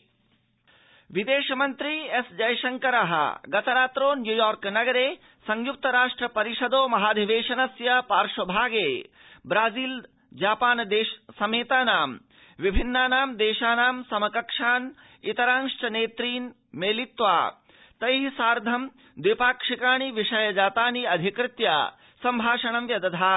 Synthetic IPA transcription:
ʋid̪eːʃɐmɐnt̪ɾiesd͡ʒɐjʃɐŋkɐɾɐɦɐ̰ɡɐt̪ɐɾaːt̪ɾoːnjujɔːɾknɐɡɐɾeː | sɐ̃ŋjuk̚t̪ɐɾaːʂʈɾɐpɐɾiʃɐd̪oːmɐɦaːd̪ʱiʋeːʃɐnɐsjɐpaːɾʂɐbʱaːɡeː | bɾaːziːl | d͡ʒaːpaːnd̪eːʃsɐmeːt̪aːnaːm | ʋibʱinːaːnaːmd̪eːʃaːnaːmsɐmɐkɐkʂaːn | it̪ɐɾaːŋʂʈɐneːt̪ɾiːn | meːlit̪ʋa̰ː | t̪ɐjɦisaːɾd̪ʱɐm | d̪ipaːkʂikaːɳ̃iʋiʂɐjɐd͡ʒaːt̪aːniɐd̪ʱikɾɪt̪ja̰ː | sɐmbʱaːʃɐɳ̃ɐmʋjɐd̪ɐd̪ʰʱaː

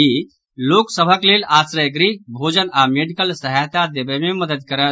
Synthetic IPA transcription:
i | loːksəbʱəkleːlaːsɾəjɡɾibʱod͡ʒənameɖikəlsəɦajt̪ad̪ebəmẽməd̪əd̪̚kəɾə

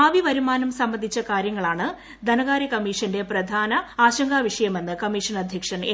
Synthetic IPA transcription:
aːʋiʋɐɾumaːnɐmsɐmbɐnd̪ʱit͡ɕːɐkaːɾjɐŋːɐɭaːɳɨ | d̪ɐnɐɣaːɾɐkɐmiːʂɐnde̞prɐd̪ʱaːnɐaːɕɐŋɡaːʋiʂɐjɐme̞nːɨkɐmiʂɐnɐd̪ʱjɐkʂɐne

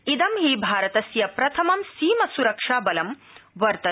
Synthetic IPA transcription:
id̪ɐmɦiːbʱaːɾɐt̪ɐsjɐpɾɐt̪ʰɐmɐmsiːmɐsuɾɐkʂaːbɐlɐm | ʋɐɾt̪ɐ

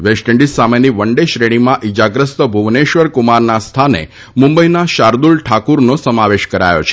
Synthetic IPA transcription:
ʋesʈə̃ɳɖissameniʋəɳɖeʃɾeɽ̃imãʔid͡ʒaɡɾəst̪əbʱuʋneʃʋəɾkumaɾnast̪ʰanḛ | mumbəinaʃaɾd̪ulʈʰakuɾnosəmaʋeʃkəɾa̰jo̰t͡ʃʰe̥

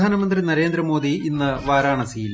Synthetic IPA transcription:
aːnɐmɐnd̪rinɐɾe̞ːnd̪ɾɐmo̞ːd̪iinːɨʋaːɾaːɳɐsiːjil

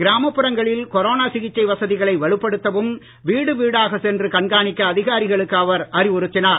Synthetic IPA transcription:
ɡɪɾaːmɐpːɯɾɐŋɡɐɭɪlkɔɾoːnaːsɪɣɪt͡ʃːɐɪʋɐsɐðɪɣɐɭɐɪʋɐɭɯpːɐɽɯt̪ːɐʋɯm | ʋiːɽɯʋiːɽaːɣɐsɛndrɯkɐɳɡaːɳɪkːɐːðɪɣaːɾɪɣɐɭɯkːɐʋɐɾɐrɪʋʊɾɯt̪ːɪnaːɾ

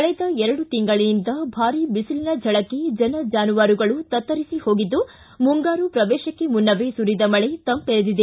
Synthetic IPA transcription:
kɐɭɛd̪ɐɛɾɐɽut̪iŋɡɐɭiind̪ɐbʱaːɾibisilinɐd͡ʒʱɐɭɐkːe̞d͡ʒɐnɐd͡ʒaːnuʋaːɾuɡɐɭut̪ɐt̪ːɐɾisiho̞ːɡid̪ːu | muŋɡaːɾupɾɐʋɛːʃɐkːe̞munːɐʋesuɾid̪ɐmɐɭet̪ɐmpeɾed̪id̪e

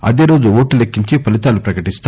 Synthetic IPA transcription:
ɐ̰d̪e̞ːɾo̞ːd͡ʒuoːʈːulekːiɲt͡ʃipɐlit̪aːlupɾɐkɐʈist̪

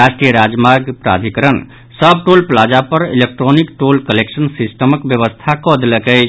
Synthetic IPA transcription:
asʈɾijəɾad͡ʒmaɾɡpɾa̰d̪ʱikəɾən | səb̚ʈolplad͡ʒapəɾḭlek̚ʈɾonikʈolkəleksənsisʈəməkbjəβəst̪ʰakɔd̪eləkət͡ʃʰ

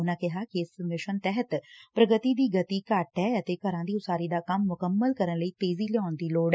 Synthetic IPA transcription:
ʊnãːkɪɦaːkɪɪsmɪʃənt̪ɛɦət̪pɾəɡət̪iːd̪iːɡət̪iːkaʈɦɛːət̪eːkəɾãːd̪iːʊsaːɾiːd̪aːkɐmːʊkəmːəlkəɾənləiːt̪eːziːlɪãːnd̪iːloːɽɛ

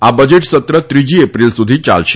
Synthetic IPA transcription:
abəd͡ʑeʈsət̪ɾət̪ɾid͡ʑiːepɾilsud̪ʱiːt͡ɕa̰lɕ

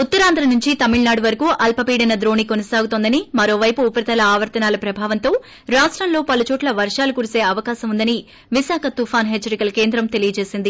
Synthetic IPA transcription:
ut̪ːɐɾaːnd̪ʱɾɐnuɲt͡ʃit̪ɐmiɭnaːɽuʋɐɾɐkuːʔɐlpɐpiːɽɐnɐd̪ɾo̞ːnikonɐsaːɡut̪ond̪ɐnimɐɾo̞ːʋɐjpuːpɐɾɐt̪ɐlɐaːʋɐɾt̪ɐnaːlɐpɾɐbʱaːʋɐnt̪o̞ː | ɾaːʂʈɾɐmlo̞ːpɐlut͡ʃoːʈlɐʋɐɾʂaːlukuɾise̞ːɐʋɐkaːsɐmund̪ɐni | ʋisaːkʰɐt̪upʰaːnɦet͡ʃːɐɾikɐlɐke̞ːnd̪ɾɐmt̪e̞lijɐt͡ʃe̞ːsind̪i

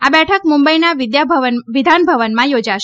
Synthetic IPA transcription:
abɛʈʰəkmumbəinaʋɪd̪jabʱʋənʋɪd̪ʱanbʱəʋənmãjod͡ʒaʃ

